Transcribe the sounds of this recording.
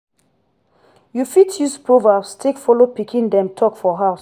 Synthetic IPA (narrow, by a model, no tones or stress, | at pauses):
jufitʰjuspʰɹovabstʰekfɔlopikʰĩndɛ̃mtʰɔkfɔɦaʊs